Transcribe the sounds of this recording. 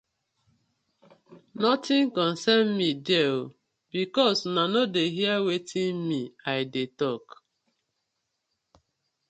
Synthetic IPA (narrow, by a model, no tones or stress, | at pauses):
nɔtĩnkɔ̃nsɛnmideo | bikɔsnanodeɦiawetʰĩnmiaɪdetɔk